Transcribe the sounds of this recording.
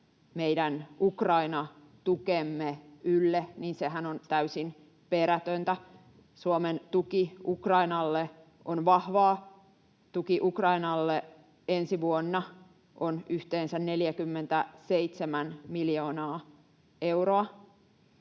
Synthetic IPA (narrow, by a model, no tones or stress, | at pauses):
meidænukrɑinɑ | t̪ukemːeylːeniːnseɦænont̪æysin | peɾæt̪ønt̪æ | suoment̪ukiukrɑinɑlːe | onʋɑhʋɑː | t̪ukiʔukrɑinɑlːe | ensiʋuonːɑ | ʔonyht̪eːnsænneljækymːent̪æseit̪semænmiljoːnɑː | ewroɑ